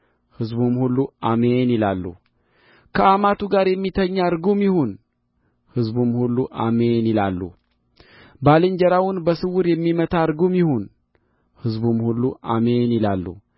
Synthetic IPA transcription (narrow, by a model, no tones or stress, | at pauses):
hɨzbumhulːuamenɪlalːṵ | kʰəamat̪uɡaɾjɛmːit̪ʰəɲːaɾɡumjɪhun | hɨzbumhulːuʔamenɪlalːṵ | balɨɲd͡ʒəɾawʊnbəsɨwʊɾjɛmːimət̪ʰaɾɡomjɪhun | hɨzbumhulːuʔamenɪlalːṵ